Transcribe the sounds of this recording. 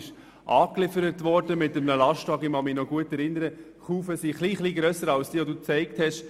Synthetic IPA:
ʃ | ʔɑːklɪfəɾətʋɔɾdəmɪtəmnəlɑʃtʋɑːɡɪmɑmɪnɔɡuətɛɾɪnːəɾə | χuːfəsiχliːχliːɡɾœsəɾɑlsd̥iːʋɔduːt͡sɛɪk̚thɛʃ

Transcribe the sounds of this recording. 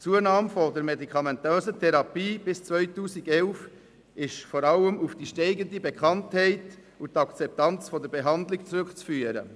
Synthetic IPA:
t͡suənɑːmfɔdəɾmedikʰɑmɛntøːzətʰɛɾɑpiːb̥ɪst͡svœʏtuːsiɡɛlf | ɪʃfɔɾɑləmufd̥iʃtɛɪɡəndibɛkχɑnthɛɪt | utɑkt͡sɛp̚tɑnt͡sfɔdəɾbɛɦɑndlɪkt͡sɾʏkt͡sfyːəɾə̰

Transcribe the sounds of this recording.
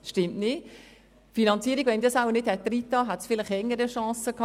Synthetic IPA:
ʃtɪmtnɪt | finɑnt͡siəɾiɡ̥ʋɛnd̪isawənɪthɛt̪̚t̪ːrit̪ːɑɦætsfɪlɪχɛŋːəɾəʃɑ̃ːsəkʰɑ

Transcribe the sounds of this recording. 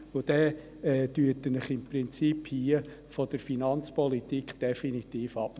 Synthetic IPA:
ʊd̥̪ɛ | ɛtyətːənəχɪmprɪnt͡siphiə | fɔd̥əɾfinɑnt͡spɔlit̪ikd̪̥ɛfinit̪iːfɑp

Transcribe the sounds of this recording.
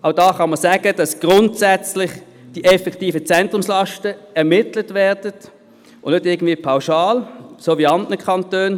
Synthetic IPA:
ʔaʊd̥ɑːχɑnmːəsæːɡ̥əd̥ɑsɡ̥ʁʊntsɛt͡slɪχ | d̥iʔɛfɛktiːfət͡sɛntʁʊmslɑʃtəɛɐʁmɪtlətvɛɐdət | ʔʊnnʏtɪɐɡəndviːəpʰaʊʃɑːlsoːviɑndnəkʰχɑntøːn

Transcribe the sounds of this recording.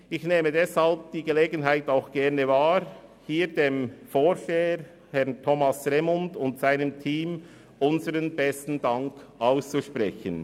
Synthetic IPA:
ɪçneːmədɛshalp̚d̥iːɡəleːɡənɦaɪtaʊxɡ̥ɛʁnəvaːhiːɾdeːmfoːɾʃeːəɾ | hɛʁntʰɔmɑsʁɛmʊndʊntsaɪnəmtʰiːm | ʔʊnzəɾənbɛstn̩daŋkʔaʊst͡suʃpʁɛçən

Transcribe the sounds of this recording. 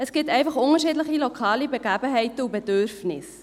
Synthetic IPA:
əsɡ̥ɪtɛɪfɑχʊŋəɾʃiːdləχilokʰɑːlibəɡæːbəɦɛɪtəubədørfnɪs

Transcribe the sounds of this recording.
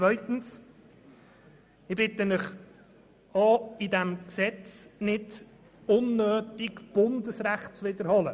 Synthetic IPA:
t͡svœʏt̪n̩s | ɪbɪt̪əmɪχ | ɑːidæmksɛt͡snɪd | ʊnːøːtɪɡb̥ʊndəsɾæχtt͡sʋɪd̪əɾhɔlə

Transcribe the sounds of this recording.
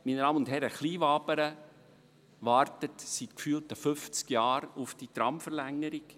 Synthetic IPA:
mindɑːmʊntɦɛɾəχliːʋɑːpəɾə | ʋɑːrtətsitkfyːlˠtəfʏft͡skjɑːɾufd̥it̪ɾɑmfəɾlæŋːəɾik

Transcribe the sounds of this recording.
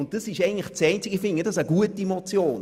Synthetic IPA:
ʊnt̚d̥ɑsɪʃɛɪɡən̩tləχt͡sɛɪnt͡sɪɡəfɪnɡədɑsəɡ̥uətiemot͡sjoːn

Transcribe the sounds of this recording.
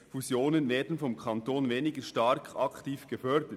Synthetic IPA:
fuzjoːnənveːdn̩fɔmkʰɑntoːnveːnɪɡəʃtɑɾkʰɑktiːfɡ̥əfœɾdə

